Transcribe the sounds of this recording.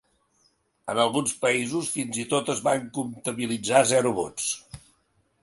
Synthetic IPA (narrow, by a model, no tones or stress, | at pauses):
ənəlˠɣunspəizusfinzit̪ot̪əzβaŋkunt̪əβilid͡zazɛɾuβot͡s